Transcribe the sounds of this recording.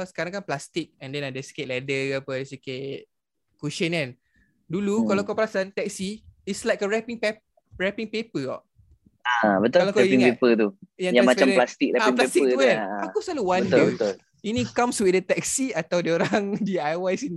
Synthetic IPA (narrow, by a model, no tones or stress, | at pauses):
kɔskaɾãŋkanplast̪ik̚ɛ̃ndɛ̃nadəsi̥keʔ̚lɛdəapədəsiket̚ | kuʃə̃nãn | dulukalawkɔplasant̪ɛk̚siislajkəɹɛpĩŋpɛ | ɹɛpĩŋpepəɡɔ̰ʔ | abət̪ʊklakɛiŋpepət̪ujaŋjamat͡ʃamplast̪ik̚ɾɛaiŋplaet̪ikkəuanaosaluwãbnd̪ubət̪ʊl | inikãmswidət̪ɛk̚siat̪awdioɾaŋdiajwajsin